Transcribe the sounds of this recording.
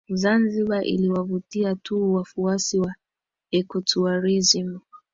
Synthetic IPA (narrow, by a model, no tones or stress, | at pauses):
zanziɓaʔḭliwavutiatʰuwafuasiwa | ɛkɔtuaɾizimu